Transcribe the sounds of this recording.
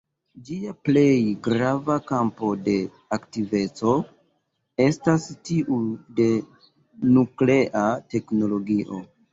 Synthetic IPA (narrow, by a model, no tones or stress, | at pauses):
d͡ʒiaple̞jɡɾavakampo̞de̞ | aktive̞t͡so̞ | e̞stastiʔude̞ | nukle̞ʔate̞kno̞lo̞ɡiʔo̞̰